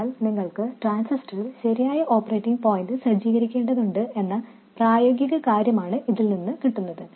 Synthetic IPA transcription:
lniŋːɐɭkɨʈraːnsistɐrilɕɐɾijaːjɐʔo̞ːpːɐreːʈːiŋɡpo̞ːjindɨsɐd͡ʑiːɣɐɾikʲːe̞ːɳɖɐðuɳɖɨʔe̞nːɐ | praːjo̞ːɡjɐɣɐkaːɾjɐmaːɳɨʔiðilninːɨkiʈːunːɐðɨ

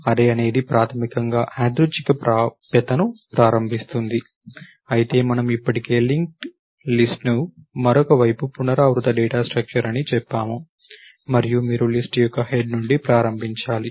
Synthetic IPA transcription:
ɐd̪eːɐne̞ːd̪ipɾaːt̪ʰɐmikɐŋɡaːʔaːd̪ɾut͡ʃikɐpːpɛt̪ɐnupɾaːɾɐmbʱist̪und̪i | ɐjit̪e̞ːmɐnɐmipːɐʈike̞ːliŋk̚ʈ | lisʈnumɐɾɔkɐʋɐjpupunɐɾaːʋɾut̪ɐɖɛːʈaːsʈɾɐk̚t͡ʃɐɾɐnit͡ʃɛpːaːmu | mɐɾijumiːɾulisʈjɔkːɐheɖnuɳɖipɾaːɾɐmbʱiɲt͡ʃaːli

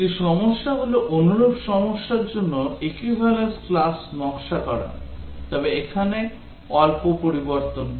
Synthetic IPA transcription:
ʈiʃɔmoʃːaɦuloʔonuɾobʃɔmoʃːaɾd͡ʑonːoekwibʱalesklasnɔŋʃakɔɾa̰t̪ɔbeekʰane | ɔlpopoɾiboɾt̪on

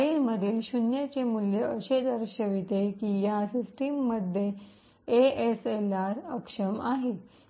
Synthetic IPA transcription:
ilməd̪ʱiːlɕunjat͡ɕemuljəəɕed̪əɾɕəʋit̪ekiːjasisʈimːəd̪ʱje | eeselaɾəkʂəmaɦe

